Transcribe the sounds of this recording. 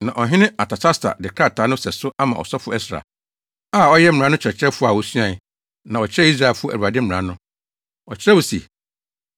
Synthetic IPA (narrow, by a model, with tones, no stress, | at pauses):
nã˨ʔɔ˨ɦɪ̃˦nɪ̃˦a˨tʰa˨t͡ɕʰa˦stʰa̰˨dɪ˨kʰɾa˦˨tʰaː˨˦nʊ̃˦sɛ˨sʊ˦a˦mã˨ɔ̰˨sɔ˦fʊ˦ɛ˦sɾa̰˨ | a˦˨ɔ˦jɛ˦m̩˦˨ã˦nʊ̃˦t͡ɕʰɾɛ˨t͡ɕʰɾɛ˦fʊ˦a˨wɔ˦su˦ã˨ | nã˨ɔ˨t͡ɕʰɪ˦ɾɛ˦i˦s̬ɾa˨fʊ˦ɔ˦ʔæ˨u˨a˨dɪ˦m̩˦m̩̃˨ɾã˨˦nʊ̃˦ | ɔ˨t͡ɕʰɪ˦ɾɛ˦wo˨sḭ˨